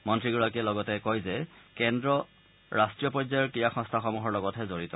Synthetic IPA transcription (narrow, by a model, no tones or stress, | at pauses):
mɔntɹiɡuɹakiɛlɔɡɔtɛkɔjzɛkɛndɹɔ | ɹastɹijɔpɔzajɔɹkijaxɔ̃stʰaxɔmuɦɔɹlɔɡɔtʰɦɛzoɹitɔ